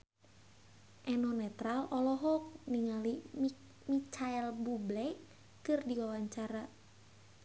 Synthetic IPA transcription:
ʔɛnɔnɛt̪ɾalɔlɔɦɔk̚niŋali | mit͡ʃaɛlbublɛ | kɨrdiwawaɲt͡ʃaɾa

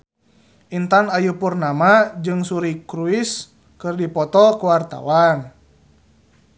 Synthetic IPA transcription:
ʔint̪anajupurnamad͡ʒɨŋsuɾikɾuis | kɨrdipɔt̪ɔkuwart̪a̰wan

